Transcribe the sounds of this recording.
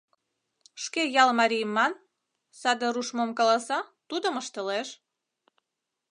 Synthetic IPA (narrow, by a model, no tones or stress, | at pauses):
ʃkejɑlmɑɾʲijəmːɑn | sɑd̪əɾuʃmomkɑlɑsɑt̪ud̪əməʃt̪əleʃ